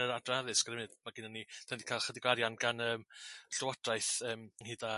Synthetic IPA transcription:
əɾadraaðɨskɾɛmɨdmaɡɪnanitʰandi̥kʰaːlˠχədiɡwaɾjanɡanəːmɬʊwad̥rajθəːmənhiːda

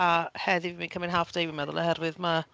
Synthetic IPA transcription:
ahɛðɪviminkʰəmɪnɦaːfd̥ejwimɛðʊlˠə̰hɛrwɪðma

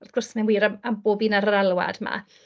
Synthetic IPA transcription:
ɔɡ̥ʊrsmanwiːɾaamboːbinaɾaɾalˠwa̰dma̰

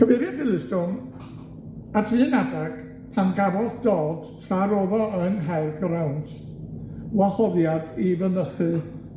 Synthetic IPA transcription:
kʰəmɛðjadɪlˠɪsdʊŋ | atʰɨːnadak | pʰanɡavɔlθd̥ɔːd̥tʰaɾoðɔənɦɛɨɡəɾawnd | lɔhɔðjadivənəθɨ

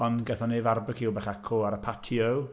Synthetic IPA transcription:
ɔnɡɛθɔneːvarbəkʰiːwbɛχakʰoːaɾəpʰatʰiəw

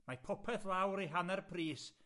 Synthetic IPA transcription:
mapʰɔpʰɛθlˠawɾiɦanɛrpʰriːs

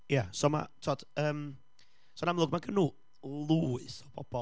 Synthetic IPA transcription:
jasɔma̰tʰɔd̥əːm | sɔnamlˠʊːɡmaɡənuː | lˠuɪsɔbʰɔb̥ɔ

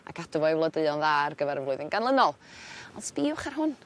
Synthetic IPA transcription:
a̰kʰadɔvɔjvlˠɔdəɨɔnðaːrɡəvɛɾəvlˠʊɨðənɡ̥anlˠənɔlˠɔnspiːwχarhʊn

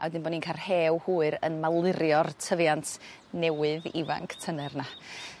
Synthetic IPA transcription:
ʔa̰wɛdɨnbɔːninkʰarheːwhuːɨɾə̰nmalˠɪɾjɔrtʰəvjantʰ | nɛwɨðḭva̰ŋkʰtʰənɛrna

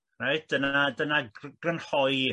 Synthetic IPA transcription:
rajt̚ʰd̥ənadənaɡ̥rənhɔɨ

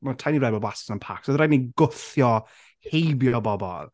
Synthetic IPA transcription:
matʰajniɾɛbɔbwasənənpʰa̰ksɔðɾajniɡʊθjɔ | hejbjɔbɔbɔ̰lˠ

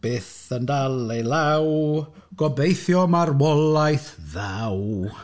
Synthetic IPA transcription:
b̥eːθəndalejlaw | ɡ̥ɔbejθjɔmarwɔlˠajθðaw

